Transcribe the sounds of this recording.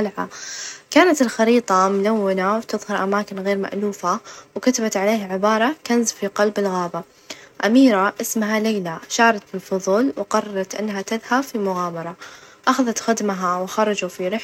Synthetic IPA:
lʕa̰kaːnat̪ɪlxɑɾiːt̪ˤɑmʊlawːɪnawt̪ɨðˤhɑɾˤʔamaːkɪnɣeːɾma̰ʔluːfawkat̪abat̪ʕaleːhʕɪbɑːɾˤɑkanzfiqɑlbɪlɣaːba | ʔamiːɾaʔɪsmaɦalejlaʃɑːɾˤɑt̪ɪlfʊðˤuːlwqɑrˤːɑɾˤɑt̪ʔɪ̰nːɦat̪ɪðhabfimʊɣaːmɑɾˤɑʔaxaðat̪xɪd̪maɦawɪxɑɾˤɑd͡ʒufiɾɪħ

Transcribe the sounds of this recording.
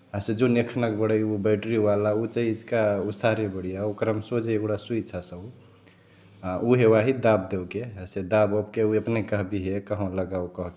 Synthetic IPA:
əsed͡ʒunekʰnəkbəɽəjubɛʈɾiʋalaut͡ʃəiid͡ʒkausaɾebəɽijaokɾəmsod͡ʒeeɡɽasuit͡ʃʰasəu | aʔuɦewaɦid̪ab̚d̪ewkeɦəsed̪abəbkeuəpnekəɦbiɦekəɦõləɡaokəɦke

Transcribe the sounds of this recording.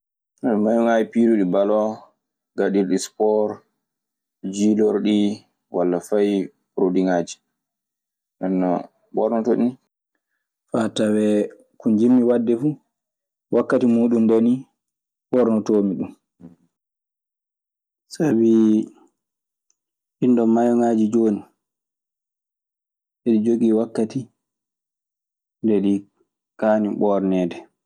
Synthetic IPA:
nɛnmajuŋad͡ʒipiːɾuɗibalɔ | ɡaɗiɾɗispɔɾ | d͡ʒilɔɾɗi | walːafaj | ɾodiŋaːd͡ʒi̥ | nɛnːa | ɓɔɾnɔtɔɗin | fatawɛ | kund͡ʒimːiwadːɛfu | wʔakːatimuːɗundeni | ɓɔɾnɔtoːmiɗum | sabi | hindɔmːajɔŋaːd͡ʒid͡ʒoːnu | eɗid͡ʒoɡiwakːati | ndɛɗi | kaːniɓɔːɾnɛːdɛ

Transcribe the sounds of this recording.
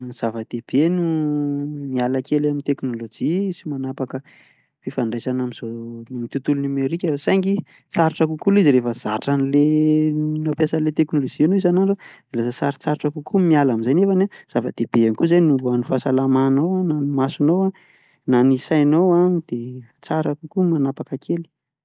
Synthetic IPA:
z̥avəd̪̥eb̥enu | mialakelamint̪eknolod͡ʒisimanapakə | fifaɳɖ͡ʐajsanamiz̥omit̪ut̪ulunumeɾikʲasajŋɡi | t͡saɾiʈ͡ʂakukuliziɾefəz̥aʈ͡ʂanile | nawpjasanlet̪eknolod͡ʒianoizanaɳɖ͡ʐod̪̥elasəsaɾit͡saɾiʈ͡ʂakukʰumialamizajnefanaz̥afəd̪̥eb̥eanikuzajnuuanifasalamanowananimasunowa | nanisajnowad̪̥et͡saɾakukumanapakəkʰeli̥

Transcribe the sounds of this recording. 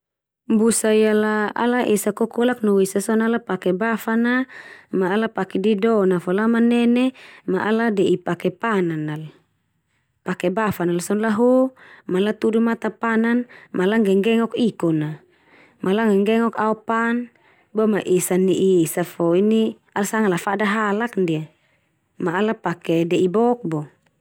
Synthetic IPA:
mbusaialaa̰laʔesakɔkɔlaknowesasɔnalapakɛbafanamaːlapakɛdidɔnafɔlamanɛnɛmaʔaladɛipakɛpananal | pakɛbafanalsɔnlaɦomalat̪udumat̪apananmʔalaŋɡɛŋɡɛŋɔkikɔna | mʔalaŋɡɛŋɡɛŋɔkaɔpan | bɔmaʔisaniʔisafɔini | alasaŋalafadaɦalakndia | maːlapakɛdɛʔibɔk̚bɔ

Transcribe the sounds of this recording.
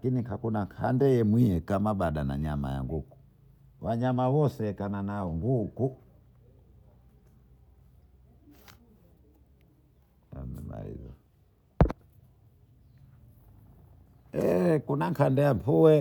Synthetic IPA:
kinikakunaŋkʰandɛjɛmwijɛkamaɓaɗana̰ɲama̰ja̰ŋɡuku̥ | waɲamawɔsɛkananaɔŋɡuku | a̰mḭma̰ḭza | ɛkunaŋkʰandɛjam̩puwɛ

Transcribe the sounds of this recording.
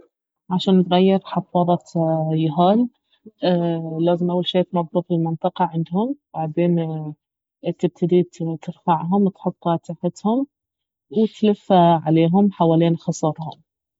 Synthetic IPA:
ʕaʃaːnt̪ɣajːɪɾħɑfɑːðˤɑjʊɦaːlː | laːzɪmʔawːalʃeːʔt̪mɑbˤɾuːfilmɪnt̪ˤɨqɑʕɪnd̪hʊmb̥aʕd̪eːn | t̪ɪb̚t̪ʰad̪iːt̪ɪɾfaʕɦʊmt̪ħʊt̪ˤːt̪aħɪt̪hʊm | wt̪lɪfːaʕaleːɦʊmħawaːliːnxɑsˤɑɾˤhʊ̰m

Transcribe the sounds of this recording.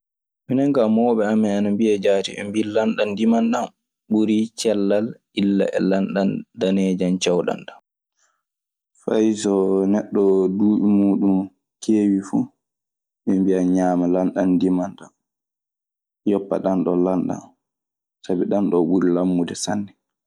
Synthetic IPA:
minɛŋɡamɔːɓɛamːɛanambiad͡ʒaːtiɛ̰mbilanɗandimanɗam | ɓuɾit͡ʃɛlːalʔilːa̰ʔɛ̰lanɗandaneːd͡ʒant͡ʃawɗa̰nɗḁm | fajsɔnɛɗːɔduːɓimuːɗum | kʰeːwifu | mɛmbiaɲaːmalanɗandimanɗam | jɔpːa̰ɗanɗɔlanɗa̰n | sabiɗanɗɔɓuɾilamːudɛsanːɛ

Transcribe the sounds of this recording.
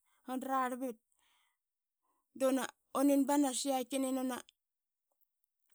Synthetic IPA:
hondɾaɾbet̚ | dona | oninbanasiakinenona

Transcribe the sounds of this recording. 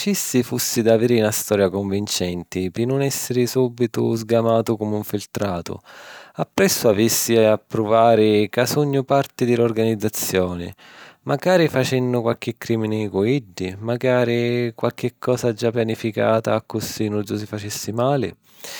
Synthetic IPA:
t͡ʃisːifusːid̪aviːɾɪunast̪ɔːɾjakoɱvint͡ʃɛnt̪ɪpɪnːʊnɛsːɪɾɪsubːit̪ʊ̰zɡamaːt̪ʊkomeuɱfilt̪ɾaːt̪ʊ̰apːɾɛsːʊavisːiapːɾʊvaːɾɪkasuɲːʊpart̪ɪd̪ɪlʊrɡanid̪zːat̪sːjɔːnɪ̰ | maɡaːɾifat͡ʃɛnːʊkwalk̟ɪkːɾiːminɪkuiɖːimaɡaːɾikwalk̟ɪkʰːɔːsad͡ʒːapːjanifika̰ːt̪aːkːʊsinuus̬ifat͡ʃisːimaːlɪ̰

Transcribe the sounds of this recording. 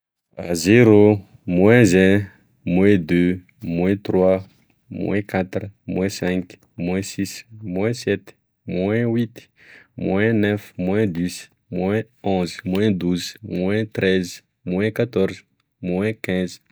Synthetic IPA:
azeɾo | mwɛ̃zɛ̃ | mwɛ̃d̪ø | mwɛ̃t̪rwa | mwɛ̰̃kat̪rmwɛ̃sɛ̃ŋk | mwɛ̃sismw̃ɛ̃sɛt̪ | mwɛ̃wit̪ | mwɛ̃nɛfmwɛ̃d̪uz | mwɛ̃ | ɔ̃zmwɛ̃d̪uzmwɛ̃t̪ɾɛz | mwɛ̃kat̪ɔɾz | mwɛ̃kɛ̃z

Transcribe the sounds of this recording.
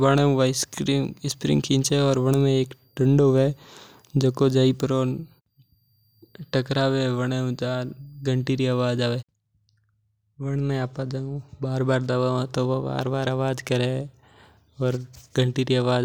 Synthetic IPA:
ʋəɽ̃ẽʋaskɾiːmɪspɾɪ̰̃ŋɡkʰĩːnt͡ʃeɔːɾʋəɽ̃mẽeːkʈə̃ɳɖʋe | d͡ʒɐkod͡ʒaipɾoːn | ʈɐkɾaːʋeʋəɽ̃eũt͡ʃaːɾɡəɳʈiːɾiaːʋaːd͡ʒaːʋeː | ʋɐɽ̃mẽaːpad͡ʒaũbaːɾbaːɾd̪ɐʋaãt̪oʋoba̰ːɾbaːɾaʋaːd͡ʒkɐɾe | ɔːɾɡə̃ɳʈiːɾiaʋaːd͡ʒ

